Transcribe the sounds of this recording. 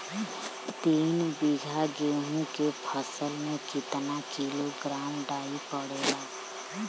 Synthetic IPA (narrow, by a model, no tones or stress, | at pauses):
t̪iːnbɪɡʱaɡeːɦõkepʰəsəlmẽkɪt̪nakiːloɡɾaːmɖaːipəɽ̤eːɡaː